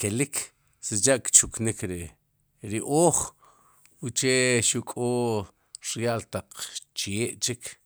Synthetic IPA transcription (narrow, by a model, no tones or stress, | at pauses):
kelik | set͡ʃaʔkt͡ʃuknikɾi | ɾiʔoːχ | ut͡ʃeʃukʼoː | ɾjaʔlt̪aq͡χt͡ʃeːʔt͡ʃik